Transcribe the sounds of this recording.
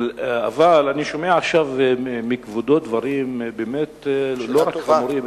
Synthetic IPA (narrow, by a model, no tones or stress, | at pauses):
a̰valaniʃo̞meaaχʃavmikvod̪ot̪̚d̪vaʁimbemet̪loʁaχauɾim